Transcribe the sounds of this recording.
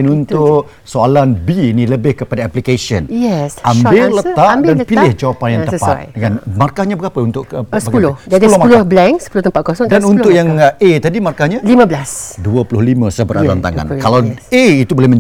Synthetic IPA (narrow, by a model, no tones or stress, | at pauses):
nunt̪ʊʔ | soalanbiːniləbɪhkəpadaaplikasiə̰nɛsambɪlət̪aʔdanpilɪhd͡ʒawapanjaŋpa̰tkanmarkahɲabəɡapəunt̪ʊʔsbəaɡaulʊhəadiulʊmapulʊhblɛŋsə̥pulʊht̪əmpat̪̚kɔsɔdanunʊʔjaŋet̪adimarkahɲalimãbəlasduəpulʊhlimə̃səbəɾa̰ɾa̰nt̪a̰ŋa̰nkalaweit̪ubolɛhməɲ